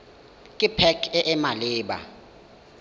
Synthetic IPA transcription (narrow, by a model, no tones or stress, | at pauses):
kʼipʰɛkʰɛʔɛmalɪːɓa̰